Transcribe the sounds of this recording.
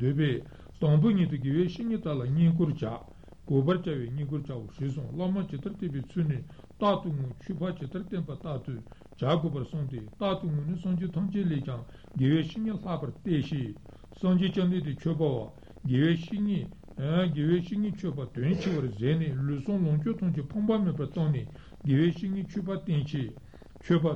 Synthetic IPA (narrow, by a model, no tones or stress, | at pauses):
d̪øːpɛː | t̪ɑŋp̬øɲiːt̪uɡeːwɛːɕiʔɲiːt̪alaɲiːŋkoɹt͡ɕaʔ | ɡ̥øːpart͡ɕawɛːɲiːŋkot͡ɕawoʂisoŋlaʔ̚mat͡ɕet̪art̪epɛːt͡sʰyːneː | t̪aʔt̪uŋøːt͡ɕʰøpʰat͡ɕet̪ʰart̪enpat̪at̪u | t͡ɕaɡøpasoŋt̪et̪at̪uŋøːnesɑŋd͡ʑit̪ʰɑŋt͡ɕeleːʔt͡ɕaŋ | ɡeːwɛːɕiʔɲiɬapat̪eɕiː | sɑŋd͡ʑiːt͡ɕand̪et̪it͡ɕʰøʔpawa̰ | ɡeːwɛːi | ɡeːweːɕiʔŋiːt͡ɕʰøpat̪ønt͡ɕʰewazɛːneːløːsoŋlɑŋt͡ɕøt̪ʰɑŋt͡ɕipʰɑŋpamepat̪ɑŋneː | ɡeːwɛːɕiʔŋiːt͡ɕʰøʔpat̪ent͡ɕʰe | t͡ɕʰøʔpa